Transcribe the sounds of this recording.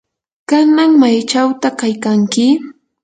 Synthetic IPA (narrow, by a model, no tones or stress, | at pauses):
kanaŋmajt͡ʃawt̪akajkaŋkɪ